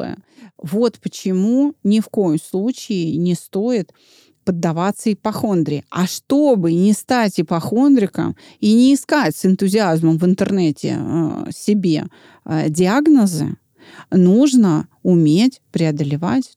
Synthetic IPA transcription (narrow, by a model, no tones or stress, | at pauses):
ə̰vo̞t̪pət͡ɕɪmunʲɪfko̞jəmslˠut͡ɕɪɪnʲɪst̪o̞ɪt̪ | pəd̪ːɐvat̪sːəɪpɐxo̞nd̪ɾʲɪɐ̰ʂt̪o̞bɨnʲɪst̪atʲɪpɐxo̞nd̪ɾʲɪkə̰m | inʲɪːskatʲsʲɪnt̪ʊzʲɪazməmvɨnt̪ɨrnɛtʲɪ̰sʲɪbʲḛ | dʲɪaɡnəzɨ̰ | nuʐnəʊmʲetʲpɾʲɪɐd̪əlʲɪva̰tʲ